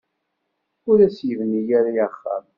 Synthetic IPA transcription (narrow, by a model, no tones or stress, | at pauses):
ʊɾæsjəvnijæɾijaχːa̰m